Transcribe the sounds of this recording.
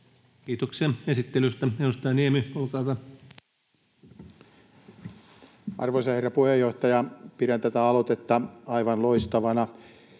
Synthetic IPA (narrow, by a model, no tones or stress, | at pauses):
kiːt̪oksiɑesit̪ːelyst̪æenːust̪ɑɑniemyolkɑːt̪ɑ | ʔɑ̰rʋosɑherːɑpuhejːoht̪ɑjɑpiɾænt̪æt̪æɑlot̪et̪ːɑɑiʋɑnloist̪ɑʋɑnɑ